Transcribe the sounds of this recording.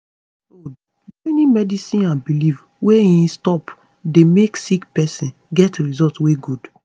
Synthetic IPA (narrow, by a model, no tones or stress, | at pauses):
o | enimɛdisĩnãnbilif | weĩnstɔp | demeksikpɛsĩn | ɡɛtɹizɔltweɡud